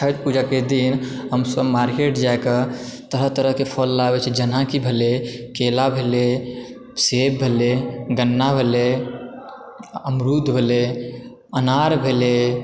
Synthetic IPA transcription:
ət̪pud͡ʒaked̪in | ɦəmsəbmaɾkeʈd͡ʒaekət̪əɾət̪əɾəɦkepʰolːabet͡ʃʰɛd͡ʒənakibʱelekelabʱele | sebbʱeleɡənːabʱele | əmɾud̪ʱbʱele | ənaɾbʱele

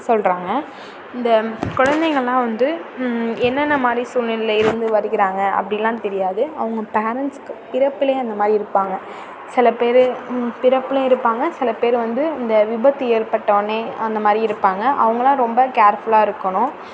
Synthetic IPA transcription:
sɔlɾaːŋɡɐ | ɪnd̪ɐkʊɻɐnd̪eɪŋɡɐɭɐlãːʋɐnd̪ɯ | ɛnːɐnːɐmaːd̪ɾisuːlɪllɐɪɾɯnd̪ɯʋɐɾɪkːɪɾaːŋɡɐʔɐ̰pːɐɽɪjlːãːt̪ɛɾɪjaːðɯɐʋɐŋɡɐpeːɾɐnskːɯpɪɾɐpːɪleːɐnd̪ɐmaːd̪ɾiɪɾɯpːaːŋɡɐ | sɪlɐpeːɾɯpɪɾɐpːɪleɪɾɯpːaːŋɡɐsɪlɐpeːɾʋɐnd̪ɯɪnd̪ɐʋɪbɐt̪ːɯeːɾpɐʈːɐʋɐneːɐnd̪ɐmaːd̪ɾiɪɾɯpːaːŋɡɐʔɐ̰ʋɐŋɡɐlãːɾɔmbɐkaːɾfɯlaːɪɾɯkːɐɳʊ̃

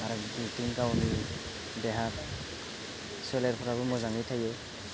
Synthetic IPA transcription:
aɾɔbitiŋkawni | dɛɦak̚ | seleɾpʰɔɾabɯmɔzaŋijtʰaje

